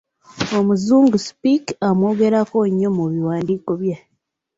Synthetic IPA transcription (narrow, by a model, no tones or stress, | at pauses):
o̞muzuːŋɡuspikamwo̞ːɡe̞ɾakoɲːomuβiwaːndiːko̞βja